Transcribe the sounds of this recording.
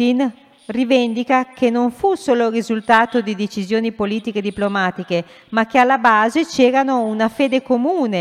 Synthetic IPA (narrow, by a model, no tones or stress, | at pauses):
in | rivend̪ikakenoɱfusoːlorizult̪aːt̪od̪id̪et͡ʃizjoːnipoliːt̪iked̪iplomaːt̪ike | mak̟ːealːabaːzet͡ʃeːɾanounafeːd̪ekomuːne